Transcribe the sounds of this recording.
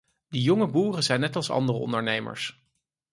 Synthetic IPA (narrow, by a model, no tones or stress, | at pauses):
dijɔŋəbuːrəzɛjnːɛtɑlˠsɑ̰ndərəɔ̰ndəɹnejmə̰ɹs